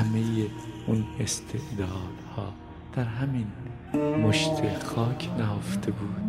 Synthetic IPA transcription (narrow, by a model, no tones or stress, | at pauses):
æmejeunest̪ʰeʔd̪ɒːd̪̥hɒː | d̪̥æɾɦæmin | moʃt̪ʰexɒːkʰnæoft̪ʰebuːd̪̥